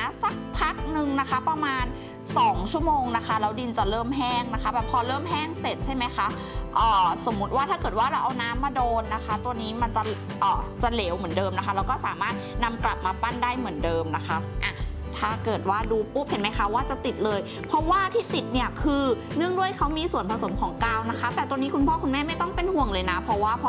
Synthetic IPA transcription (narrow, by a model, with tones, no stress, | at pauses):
a˧˥sa˨˩k̚pʰa˦˥k̚nɯ˨˧ŋna˦˥kʰa˦˥pɾa˧maː˧n | sɔː˩˦ŋt͡ɕʰu˥˩əmoː˧ŋna˦˥kʰa˦˥lɛː˦˥wdi˧nt͡ɕa˨˩ɾɤː˥˩mɦɛː˥˩ŋna˦˥kʰa˦˥bɛː˨˩p̚ʰːɔː˧lɤː˥˩mɦɛː˥˩ŋse˨˩t̪̚t͡ɕʰa˥˩jma˦˥jkʰa˦˥ʔ | ʔɔː˨˩so˨˩˦mːu˦˥t̪̚waː˥t̪ʰaː˥˩kɤː˨˩t̪̚waː˥˩ɾa˧wʔa˧wnaː˦˥mːaː˧doː˧nːa˦˥kʰa˦˥t̪u˧əniː˦˥ma˧nt͡ɕa˨˩ | ʔɔː˨˩t͡ɕa˨˩leː˩˦wmɯ˩˦ndɤː˧mna˦˥kʰa˦˥lɛː˧˦˥wkɔː˥˩sa̰ː˩˦maː˥˩t̪̚na˧mkla˨˩p̚maː˧pa˥˩ndaː˥˩jmɯ˩˦ndɤː˧mna˦˥kʰa˦˥ʔa˧˩ | t̪ʰaː˧˥˩kɤː˨˩t̪̚waː˥˩duː˧pu˦˥p̚he˨˩˦nma˦˥jkʰa˦˥waː˥˩t͡ɕa˨˩t̪i˨˩t̪̚lɤː˧j | pʰɔ˦˥waː˥˩t̪ʰiː˥˩t̪i˨˩t̪̚ni˦˥˩ɐkʰɯː˧nɯ˥˩əŋdu˥˩əjkʰa˦˥wmiː˧su˨˩ənpʰa˧so˩˦mkʰɔː˨˩˦ŋkaː˧˩wna˦˥kʰa˦˥t̪ɛː˨˩t̪u˧əniː˦˥kʰu˧npʰɔː˥˩kʰu˧nmɛː˥˩ma˥˩jt̪ɔ˥˩ŋpe˧nhu˨˩əŋlɤː˧jna˦˥pʰɔ˧˥waː˥˩pʰɔ˧